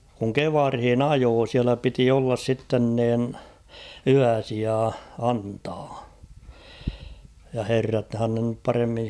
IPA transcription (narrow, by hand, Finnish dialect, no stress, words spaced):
kuŋ keʋɑrhin ɑjoː siælæ piti olːɑs sitːen niːn yæsiɑ ɑntɑː jɑ herːɑthɑn ne nyp pɑremːin̞